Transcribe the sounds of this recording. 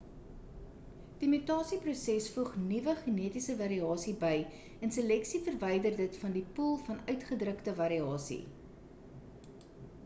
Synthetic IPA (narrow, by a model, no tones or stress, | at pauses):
d̥imytɑːsiprusɛsfuχnivəχəniətisəvɐɾiɑːsibəj | ɛnsəlɛksifərvɛjdərdətfɐndipulˠfɐnœɥtχədrəktəvɐɾiɑːsḭ